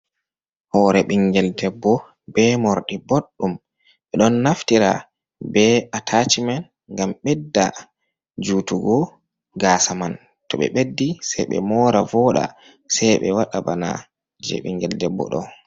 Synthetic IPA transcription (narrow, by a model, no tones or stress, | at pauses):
hɔɾɛɓiŋɡɛldɛbːɔ | bɛmoɾɗiboɗːum | ɓɛɗɔnːaftiɾa̰ | bɛʔatʰat͡ʃiman | ɡamɓɛdːa̰ | d͡ʒuːtuɡɔ | ɡasaman | tɔɓɛ̰ɓedːisɛjɓɛ̰mɔːɾavɔɗa̰ | sɛjɓɛ̰waɗabana̰ | d͡ʒɛ̰ɓḭŋɡɛldɛbːɔ̰ɗɔ̰